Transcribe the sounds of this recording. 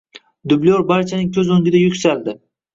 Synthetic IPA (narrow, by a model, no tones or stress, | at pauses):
d̪ʊblijoɾbaɾt͡ʃʰanɪŋkʲʰɵzɵŋɡʲɪd̪ajʊkʲsald̪ɪ